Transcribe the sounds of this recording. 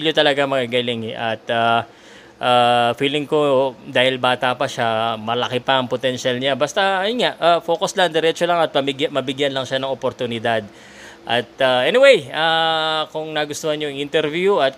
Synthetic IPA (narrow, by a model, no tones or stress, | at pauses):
ljot̪ɐlɐɡamɐɡaɡalɪŋɛʔɐt̪a | ʔaːfiːlɪŋkod̪aːhɪlbaːt̪apɐʃamɐlɐkɪpɐʔɐŋpot̪ɛnʃalɲabɐst̪ɐɐjnŋaʔafo̞ːkoslɐɐŋd̪ɛɾɛt͡ʃolɐŋɐt̪̚pɐmɪɡjamɐbɪɡjanlɐŋʃanɐŋopoɾt̪ʊnɪd̪ad̪̚ | ʔɐt̪̚aʔɛnɪwejaːkʊŋnɐɡʊst̪ohanɲoɪʔɪnt̪ɛɾvjuɐt̪̚